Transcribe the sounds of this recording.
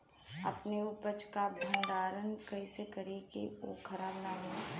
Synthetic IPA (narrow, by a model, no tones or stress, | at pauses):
ɐ̰pneʊpət͡ʃkabʱə̃ɳɖaːɾənkəɪsekəɾekeo̰kʰəɾaːbnaːme